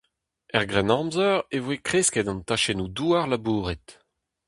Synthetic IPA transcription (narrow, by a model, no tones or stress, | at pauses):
ɛʁɡʁɛnɑ̃mzœʁevwekχeskɛd̪ɑ̃nt̪aʃenud̪uːaʁlabuːʁɛt̪